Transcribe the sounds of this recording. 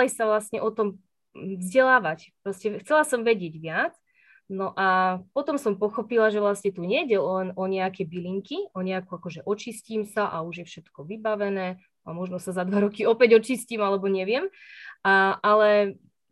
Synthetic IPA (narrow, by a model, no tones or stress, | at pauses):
lisaʋlasɲɛʔɔt̪ɔm | vzɟɛlaːʋac | pɾɔscɛxt͡sɛlasɔmʋɛɟɪɛɟʋɪat͡s | nɔʔapɔt̪ɔmsɔmpɔxɔpilaʒɛʋlasɲɛt̪uɲɛjɟɛlnɔɲɛakɛjbiliŋkiɔɲɛakuakɔʒɛʔɔt͡ʃisciːmsaʔauʒjɛfʃɛt̪kɔʋibaʋɛnɛː | amɔʒnɔsazad̪ʋaɾɔkiɔpɛɟɔt͡ʃisciːmalɛbɔɲɛʋɪɛmʔaʔalɛ